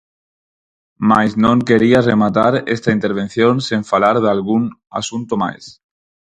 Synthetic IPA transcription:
majznõŋkeɾiaremat̪aɾḛst̪aint̪eɾβ̞ẽnθjonsiɱfalaɾð̞alɣuna̰sunt̪oma̰js

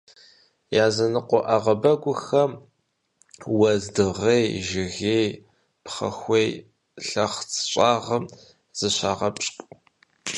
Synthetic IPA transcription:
jaːzɐnɨqʷɔʔaʁɐbɐɡʷʊxɐm | wɐzdɨʁejʒɪɣeːj | pχɐ̰xʷej | ɬɐχt͡sʰɕʷʼaːʁɐm | z̥ɨɕʷaːʁɐpʼɕʼkʷʼ

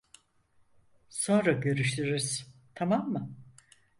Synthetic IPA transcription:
sõ̞nɾaɟø̞ɾyʃlyɾz̥t̪ʰamamːɯ

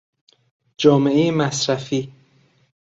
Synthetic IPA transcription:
d͡ʒɒːmeʔejemæsɾæfiː

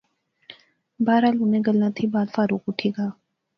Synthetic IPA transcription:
baːɾaːlunẽɡəlːãt̪ʰibaːd̪faːɾuːkʊʈʰiːɡaː

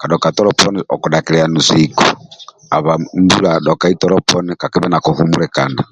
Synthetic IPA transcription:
kaɗɔkatɔɾɔpʰɔniʔɔkɔɗakiɾɛanusikɔ | aβambuɾaɗɔkaitɔɾɔpʰɔnikakiβɛnakuhumuɾɛkana

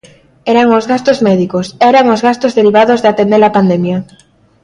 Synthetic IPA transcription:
ɛɾaŋozɣast̪ozmɛðikosɛɾaŋozɣast̪ozðeɾiβ̞aðozðeat̪end̪eɾapand̪emja

